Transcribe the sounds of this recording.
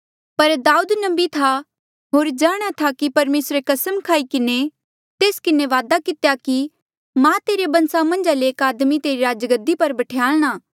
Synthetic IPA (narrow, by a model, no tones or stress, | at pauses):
pɐɾd̪aːuːd̪nɐbit̪ʰa | ɦoːɾd͡ʒaːɽ̃at̪ʰakipɐɾmeːsɾekɐsəmkʰaːikɪne | t̪eːskɪneʋaːd̪akɪt̪jaki | mãt̪eːɾebɐ̃nsamɐ̃nd͡ʒaleːkaːd̪mit̪eːɾiɾaːd͡ʒəɡəd̪ipɐɾbɐʈʰejaːlɽ̃aː